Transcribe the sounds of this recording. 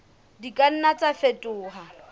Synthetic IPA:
dikʼan̩nat͡sʼafetʼʊːɦa

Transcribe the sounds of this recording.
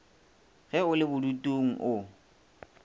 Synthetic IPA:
ɣɛʊlɪbʊdutʼoŋ̩ʔʊ

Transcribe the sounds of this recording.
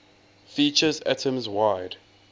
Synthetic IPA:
fiːˑt͡ʃəza̰tʰə̃mzwaɪd̥

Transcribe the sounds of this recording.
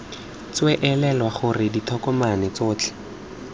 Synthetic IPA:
t͡swɛʔɛlɛlwaχʊrɪditʰɔkɔmanɛt͡sʊːt͡ɬʰɛ̥

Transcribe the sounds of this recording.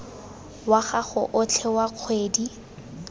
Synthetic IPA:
waχaχʊʔʊt͡ɬʰɛwaq͡χʰweːdi

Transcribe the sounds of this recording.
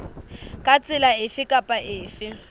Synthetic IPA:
kʼat͡sʼɪlaɪfɪkʼapʼaʔɪːfɪ

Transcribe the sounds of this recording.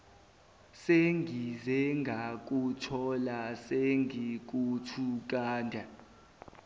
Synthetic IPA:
seŋɡʱizɛŋɡʱak̬ʼutʰɔlaseŋɡʱik̬utʰuk̬aːndʱa

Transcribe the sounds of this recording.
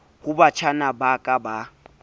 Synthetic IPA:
hʊbat͡ʃʰanabakʼaba

